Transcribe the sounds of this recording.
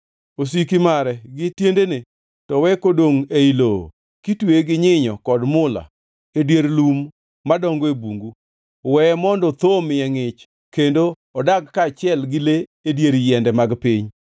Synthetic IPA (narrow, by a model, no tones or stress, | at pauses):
os̬ikimaɾɛɡɪtjendene | tɔwɛkodoŋeilo̰ | kitweɡɪɲɪɲɔkɔdmʊla̰ | edjeɾlumː | adɔŋɡoebuŋɡu | wɛmɔndɔt̪omɪjɛŋɪt͡ʃ | kendo | ɔdaɡkat͡ʃɪɛlɡɪleedjeɾjɛndɛmaɡpɪɲ